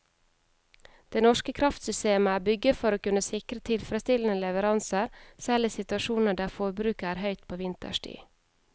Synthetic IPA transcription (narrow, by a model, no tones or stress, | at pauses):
d̪̥eːnɔʃkəkʰɾɑft̪sʏst̪eːməæːbʏɡəfɔɾoːkʉnəsɪkɾət̪ʰɪlfɾəst̪ɪln̩əlɛʋəɾɑnsəɾsɛliːsɪt̪ʉɑʃuːnəɖæːfoːɾbɾʉːkæːɾhœʏt̪̚pʰoːʋɪnt̪ə̰ʃʈḭː